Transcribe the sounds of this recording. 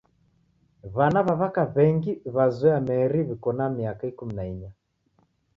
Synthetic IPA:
βanaβaβakaβɛŋɡiβazwɛamɛɾiβikɔnamiakaikuminaiɲa

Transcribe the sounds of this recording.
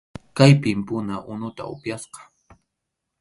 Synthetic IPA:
kajpɪmpʊnaʔʊnʊt̪a̰ʊ̰pjasqɑ̥

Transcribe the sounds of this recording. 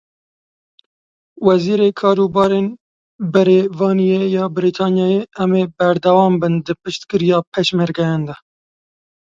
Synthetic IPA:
wɛziːɾeːkʰɑːɾubɑːɾeːn | bɛɾevɑːnijejɑːbɨɾit̪ʰɑːnjɑːjeɛmeːbæɾd̪ɛwɑːmbɨnd̪ɨpɨʃt̪kɨɾijɑːpʰɛʃmɛɾɡɛjɑːnd̪ɛ

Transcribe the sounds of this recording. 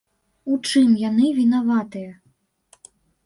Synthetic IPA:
ut͡ʂɨmjanɨvʲinavat̪ɨjɐ

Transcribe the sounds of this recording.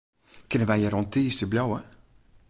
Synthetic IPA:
kɪnənʋɛjjəɾɔntiːstəblʲjowə

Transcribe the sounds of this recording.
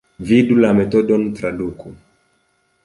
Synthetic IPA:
vidulamet̪ɔɗɔnt̪ɾaduku

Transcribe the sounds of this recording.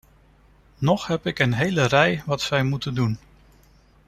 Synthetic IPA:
nɔχɦɛpɪkənɦejlərɛjʋɑtsɛjmutəndun

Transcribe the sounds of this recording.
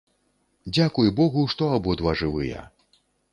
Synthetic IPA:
d͡zʲakujbɔɣuʂt̪ɔabɔd̪vaʐɨvɨjɛ̰

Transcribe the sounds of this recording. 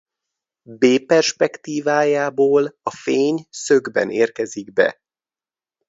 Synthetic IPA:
beːpɛrʃpɛkt̪iːvaːjaːboːlɒfeːɲsøɡbɛ̰neːrkɛziɡbɛ̰

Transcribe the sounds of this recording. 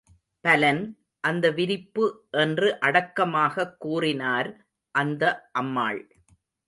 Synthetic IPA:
pɐlɐn | ʔɐnd̪ɐʋɪɾɪpːɯʔɛndrɯʔɐɽɐkːɐmaːɣɐkːuːrɪnaːɾ | ʔɐnd̪ɐʔɐmːa̰ːɭ

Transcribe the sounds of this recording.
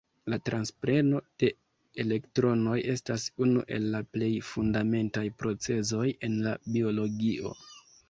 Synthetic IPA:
latɾanspɾe̞no̞d̥e̞ | ele̞ktɾo̞no̞je̞stasunuʔe̞̰lːaple̞jfundame̞ntajpɾo̞t͡se̞zo̞je̞nlabio̞lo̞ɡiʔo̞̰

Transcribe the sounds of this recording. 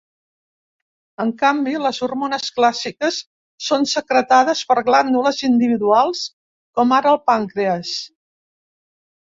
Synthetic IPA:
əŋkambiləzurmonəsklasikəsː | onsəkɾət̪aðəspəɾɣland̪uləzind̪iβ̞iðualˠs | kɔmaɾəːlˠpaŋkɾeəs

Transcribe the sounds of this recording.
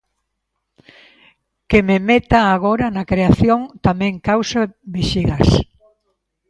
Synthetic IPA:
kememet̪aːɣoɾanakɾeaθjoŋt̪amɛ̃ŋkawsaβiʃiɣas

